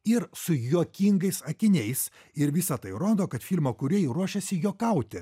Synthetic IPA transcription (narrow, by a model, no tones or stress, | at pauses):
ɪɾsʊjuɔkʲiŋɡɐɪsɐkʲɪnʲɛɪs | ɪɾʋʲɪsɐt̪ɐɪɾoːd̪oːkɐt̪fʲilʲmoːkʊɾʲiɛjɾuɔʃʲɛsʲɪjuɔkɐʊt̪ʲɛ